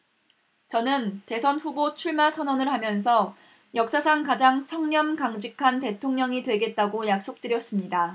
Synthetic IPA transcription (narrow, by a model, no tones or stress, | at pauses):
t͡ɕʌnɯnte̞sʰʌnɸubot͡ɕʰuɭmasʰʌnwʌnɯɭɦamjʌnsʰʌ | jʌk̚s͈asʰaŋkad͡ʑaŋt͡ɕʰʌŋɲʌmkaŋd͡ʑikʰante̞tʰoŋɲʌŋidwe̞ɡe̞t̚t͈aɡojak̚s͈ok̚t͈ɯɾjʌs͈ɯmɲida